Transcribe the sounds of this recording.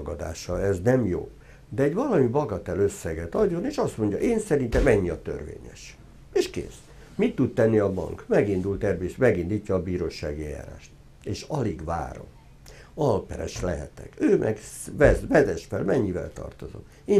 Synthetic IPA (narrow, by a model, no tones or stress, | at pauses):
oɡɒd̪a̰ːʃɒɛznɛmjo̰ː | d̪ɛɛɟvɒlɒmibɒɡɒt̪ɛløsːɛɡɛt̪ɒɟːo̞neːʃɒst̪mo̞ɲɟɒ̰ʔeːnsɛɾint̪ɛmɛɲːiɒt̪ø̰rvḛːɲɛ̰ʃ | eːʃkḛːs | mit̪ːut̪t̪ɛnːiɒbɒ̰ŋkmɛɡind̪ult̪ɛrveːʃt̪mɛɡind̪iːcːɒːbiːɾoːʃaːɡiɛja̰ːɾa̰ːʃt̪ | eːʃɒliɡva̰ːɾo̰m | ɒlpɛɾɛ̰ʃlɛɦɛ̰t̪ɛ̰køːmʔɛɡvɛzvɛzɛʃfɛlmɛɲːivɛ̰lt̪ɒ̰rt̪ozo̰m | eː